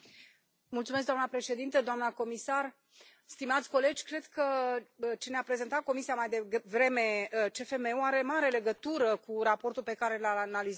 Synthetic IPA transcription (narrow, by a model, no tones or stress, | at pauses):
mult̪sumes̬k̚d̪oamnəpɾe̞ʃe̞d̪int̪əd̪oamnəko̞misar | st̪imat̪sʲko̞le̞d͡ʒʲkɾe̞d̪kə | t͡ʃeneapɾe̞ze̞nt̪at̪̚ko̞misiamajd̪evɾe̞me̞ət͡ʃe̞fe̞me̞uaɾe̞maɾele̞ɡət̪uɾəkuɾapo̞rt̪ulpe̞kaɾe̞laanaliz